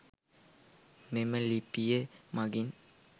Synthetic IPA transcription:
meməlipijemaɡin

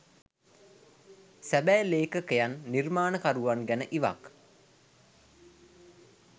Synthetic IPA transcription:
sæbæːleːkəkejanːirmaːnəkaɾuʋanɡænəʔiʋa̰k

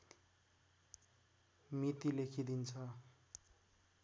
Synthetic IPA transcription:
mit̪ilekʰid̪int͡sʰʌ

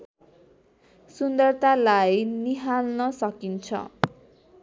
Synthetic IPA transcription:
sund̪ʌrt̪alajniɦalnʌsʌkint͡sʰʌ̰

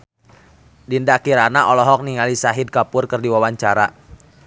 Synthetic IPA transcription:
dindakiɾanaʔɔlɔɦɔk̚niŋalisaɦid̚kapʊrkərdiwawaɲt͡ʃaɾa

